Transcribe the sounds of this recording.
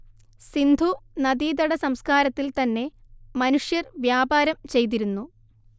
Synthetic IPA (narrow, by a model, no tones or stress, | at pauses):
sind̪ʱunɐd̪iːd̪ɐɽɐsɐmskaːɾɐt̪ːilt̪ɐnːe̞mɐnuʂjɐrʋjaːbaːɾɐmt͡ɕe̞jt̪̬iɾunːu